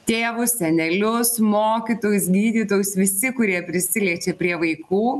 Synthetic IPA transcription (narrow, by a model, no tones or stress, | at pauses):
t̪ʲeːʋʊssʲɛnʲɛlʲʊsmoːkʲit̪oːjʊsɡʲiːd̪ʲiːt̪oːjʊsʋʲɪsʲɪkʊɾʲiɛpʲɾʲɪsʲɪlʲiɛt͡ʃʲeːpʲɾʲiɛʋɐɪkuː